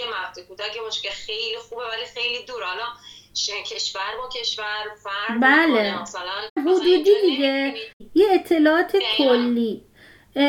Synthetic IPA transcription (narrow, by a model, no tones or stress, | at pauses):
emæfd̪ekud̪ækebɔʃkexejlixubevælixejlid̪uːɾalɒ | ʃekʰe̞ʃvæɾbɒcʲʰe̞ʃvæɾvæbæle | ɦod̪ud̪imiɡejeːt̪ʰːe̞lɒːʔɒːt̪ʰekʰolːiː